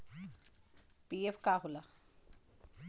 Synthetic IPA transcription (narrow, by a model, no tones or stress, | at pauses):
piefkaːɦula